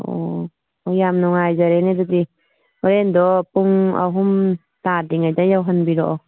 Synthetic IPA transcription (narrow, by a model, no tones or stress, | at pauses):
o̰ | ɔjamnɔŋajzaɾenedɔdi | ɔɾendɔpuŋa̰ɦum | tadiŋajdajawɦɐnbiɾɔʔɔ